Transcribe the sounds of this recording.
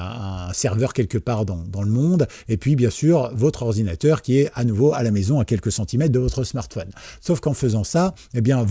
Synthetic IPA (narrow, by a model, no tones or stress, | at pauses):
ɛ̃sɛʁvœʁkʲɛlkəpaʁd̪ɑ̃d̪ɑ̃ləmɔ̃d̪ | epɥibjɛ̃syʁvɔt̪χɔʁd̪inat̪œʁkʲiɛanuvoalamezɔ̃akʲɛlkəsɑ̃t̪imɛt̪̚d̪əvɔt̪χəsmaʁt̪fɔnsofkɑ̃fəzɑ̃sa | ebjɛ̃v